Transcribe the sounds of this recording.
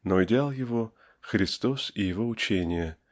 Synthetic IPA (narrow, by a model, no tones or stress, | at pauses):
noɪdʲɪalˠjɪvo | xɾʲɪst̪o̞sɪjɪvo̞ʊt͡ɕenʲɪjə